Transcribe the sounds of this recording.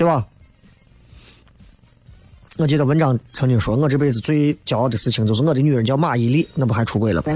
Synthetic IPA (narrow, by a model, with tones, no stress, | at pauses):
i˥a˥˩ | ŋɤ˥˩t͡ɕjɛ˥d̪ə˩wə˧˥nʈ͡ʂɑ˧˥˩ŋt͡sʰɤ˧˥ŋni˨˩ŋʂwɔ˥ŋɤ˥˧ʈ͡ʂ̩˥˧pe˥˩ɪd͡zɹ̩˩t͡swe˥˩ɪt͡ɕjɑ˨˩ʊɑ˥˩d̪ə˩sɹ̩˥˩t͡ɕʰi˧˥ŋt͡ɕo˥˧ʊʂɻ̩˥˧ŋɤ˥˩d̪i˧˥ny˨˩ɻə˧˥nt͡ɕjɑ˥˧ʊma˥˩i˧˥li˥˩na˥˩bu˩xa˧˥ɪʈ͡ʂʰu˧˥kwe˥˩ɪlə˩bɐ˩